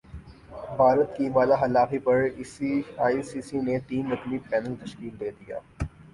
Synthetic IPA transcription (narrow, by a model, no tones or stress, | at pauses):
bʱaːɾət̪kiʋaːlaɦɐlaːfipɐɾɪsiaːisiːsinet̪iːnːɐkmipɛːnəlt̪ɐʃkiːld̪eːd̪ija̰ː